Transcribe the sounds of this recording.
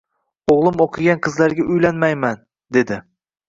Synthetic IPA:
oʁlˠɪmoqʰɨɡʲanqʰɨzlaɾɡʲaʔʊjlanmajman | d̪e̞d̪ɪ

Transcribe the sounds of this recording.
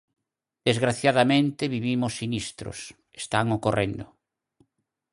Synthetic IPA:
d̪̥ezɣɾaθjaðamẽnt̪eβiβimʊsːinist̪ɾʊ̰s | e̥st̪aŋokorend̪ʊ

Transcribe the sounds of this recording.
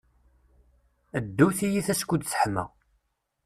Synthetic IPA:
d̪ːuθijiθæskʷːud̪sə̥ħəmæ̰

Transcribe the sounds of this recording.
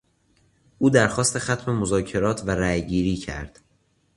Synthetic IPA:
ʔuːd̪æɾxɒːst̪e̞xæt̪ʰme̞mozɒːcʰe̞ɾɒːt̪ʰvæɾæjɟiːɾiːcʰæ̰ɾd̪̥

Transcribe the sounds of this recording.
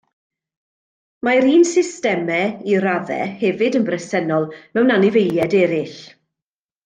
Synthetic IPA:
maɾiːnsɪstɛmɛiɾavɛ̰hɛvɪdənbrɛsɛnɔlˠmɛwnanɪvejljɛdɛɾɪɬ

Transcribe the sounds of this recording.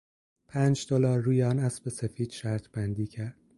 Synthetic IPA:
pʰæːnd͡ʒd̪olɒːɾːuːjeɒːnæsbesefiːd̪̥ʃæɾt̪ʰb̥ænd̪iːcʰæɾd̪̥

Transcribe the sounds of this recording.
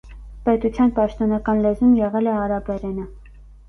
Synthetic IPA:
pɛt̪ut͡sʰjɑnpɑʃt̪ɔnɑkɑnlɛzumjɛʁɛlɛɑɾɑbɛɾɛnə

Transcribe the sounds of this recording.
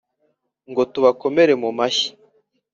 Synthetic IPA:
ŋɡo̞tuβako̞me̞ɾe̞mumaçi̥

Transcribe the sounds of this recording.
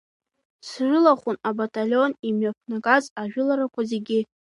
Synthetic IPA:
sʒʷʊlaχʷʊnabatʼalʲo̞nimɥapʰnaɡʼazaʒᶣʊlaɾakʷʰaze̞ɡʲɪ

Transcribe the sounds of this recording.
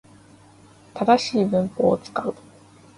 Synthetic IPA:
t̪ad̪aɕiːbɯ̟̃ŋpoːt͡sɨ̥kaɯ̟

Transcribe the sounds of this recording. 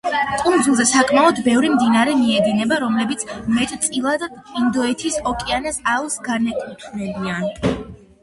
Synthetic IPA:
kʼund̪zulˠzɛsakʰʼmaɔd̪bɛvɾimd̪inaɾɛmiɛd̪inɛbaɾɔmlɛbit̪sʰmɛt̪ʼt̪sʼilˠad̪aind̪ɔɛt̪ʰisɔkʼianɛsalˠsɡanɛkʼut̪ʰvɾɛbian

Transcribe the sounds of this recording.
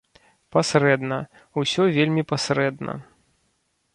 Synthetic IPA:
pasɾɛd̪nɐ | usʲɔvʲelʲmʲipasɾɛd̪nɐ̰

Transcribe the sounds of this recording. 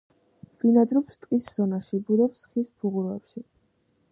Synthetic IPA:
b̥ʼinad̪ɾɔpst̪ʼqʼisz̥ɔnaʃibud̪ɛpsχispʰuʁuɾɛ̰pʃi

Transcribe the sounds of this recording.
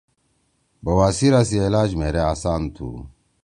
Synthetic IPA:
bɐwaːsiɾasielaːd͡ʑmeːɾeaːsaːnt̪ʰṵ

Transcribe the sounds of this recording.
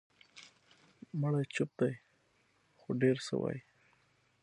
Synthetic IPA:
məɽajt͡ʃʊp̚d̪aj | xoɖeɾsə̰wa̰j

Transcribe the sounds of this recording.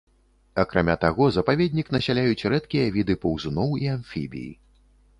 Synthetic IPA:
ɐkɾamʲat̪aɣɔzɐpavʲɛd̪ʲnʲikn̪ɐsʲalʲajut͡sʲɾɛt̪kʲijɐvʲid̪ɨpɐwzunɔwianfʲḭbʲḭjḭ

